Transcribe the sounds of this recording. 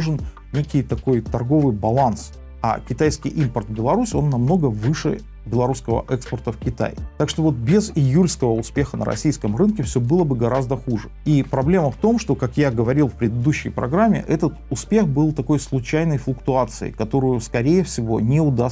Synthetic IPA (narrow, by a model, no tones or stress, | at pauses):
ʐɨn | nʲekʲɪjt̪ɐko̞jt̪ɐrɡo̞vɨjbɐlˠans | a̰kʲɪt̪ajskʲɪjʔimpərt̪bʲɪlˠɐɾusʲo̞nːɐmno̞ɡəvɨʂɨ̰ | bʲɪlˠɐɾuskəvə̰ʔɛkspərt̪əfkʲɪt̪a̰jt̪akʂt̪ovo̞t̪̚bʲɪzɪjulʲskəvəʊspʲe̞xənə̰ɾɐ̰sʲijskəmrɨnkʲɪfsʲobɨlˠəbɨɡɐɾazd̪əxuʐɨipɾɐblʲe̞məft̪o̞mʂt̪o̞kakjaɡəvɐɾʲilˠfpɾʲɪd̪ɨd̪uɕːɪ̰jpɾɐ̰ɡɾamʲːɪ̰ʔɛt̪ət̪ʊspʲe̞xbɨlˠt̪ɐko̞jslˠʊt͡ɕæjnəjflˠʊkt̪ʊat̪sɨ̰ɪ̰kɐt̪o̞ɾʊjʊskɐɾʲejəfsʲɪvo̞nʲeʊd̪a